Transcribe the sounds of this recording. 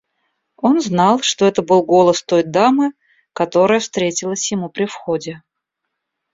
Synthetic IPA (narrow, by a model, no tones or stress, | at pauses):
o̞nznɑlˠʂt̪o̞ɛt̪əbɨlˠɡo̞lˠəst̪o̞jd̪amɨ | kɐt̪o̞ɾəjəfst̪ɾʲetʲɪlˠəsʲjɪmupɾʲɪfxodʲɪ